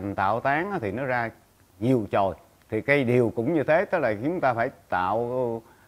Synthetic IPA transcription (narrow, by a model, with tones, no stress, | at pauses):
nt̪a̰ː˧˨wt̪aː˨˦ŋʔaː˨˦t̪ʰi˨˩nɔ˨˦zaː˧ | ɲi˨˩əwt͡ɕo˨˩j | t̪ʰi˨˩kaː˨˦jɗi˨˩əwkʊ̰˧˥ŋ͡mɲɨ˧t̪ʰe˨˦t̪ɨ˦˥k̚laː˨˩t͡ɕʊ˨˧˦ŋ͡mt̪aː˧faː˧˩jt̪a̰ː˧˨w